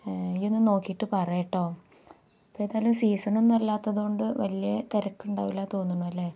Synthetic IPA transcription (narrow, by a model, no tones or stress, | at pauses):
iðenːɨno̞ːkːijʈːɨpɐrɐjiʈːo̞ː | pːoːeðaːlumsiːsɐnumnɐlːaːt̪ːɐðɨko̞ɳɖɨʋɐlijɐt̪eɾɐkːuɳɖa̰ːʋilaːt̪o̞ːnːuɳːuɐlːe̞ː